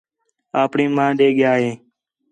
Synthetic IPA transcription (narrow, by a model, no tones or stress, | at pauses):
aːpɳiːmãːɗeːɠɪjaːɦeː